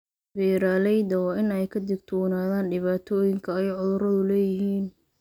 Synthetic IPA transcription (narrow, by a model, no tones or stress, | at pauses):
bɛːɾaːlɛjd̪ɐwɑːɪnɛjkʰɐd̪ɪɡ̚t̪ʰwɔːnaːðaːnɖɪβaːt̪ʰɔːjɪŋkʰɐːjʕʊðʊɾɐðʊlɛːjɪɦiːn